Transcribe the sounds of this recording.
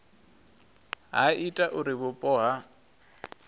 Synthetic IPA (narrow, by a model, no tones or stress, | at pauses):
ɦa̰itʼaʔʊɾɪbʊpʼɔːɦa